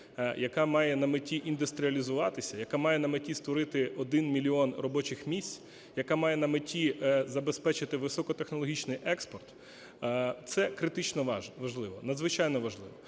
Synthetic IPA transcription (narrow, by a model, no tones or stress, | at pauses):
jɐkɑmɑjɛnɐmɪtʲiʔind̪ʊst̪ɾʲiɐlʲizʊʋɑt̪ɪsʲɐjɐkamɑjɛnɐmɪtʲist̪ʋɔɾɪt̪ɪɔd̪ɪnmʲilʲiɔnrɔbɔt͡ʃɪxmʲisʲt͡sʲ | jɐkamɑjɛnɐmɪtʲizɐbespɛt͡ʃɪt̪ɪʋɪsɔkɔt̪exnɔlˠɔɦʲit͡ʃnɪjʔɛkspɔrt̪ː | t̪sɛkɾɪt̪ɪt͡ʃnɔʋɐʒlˠɪʋɔnɐd̪zʋɪt͡ʃɑjnɔʋɐʒlˠɪ̰ʋɔ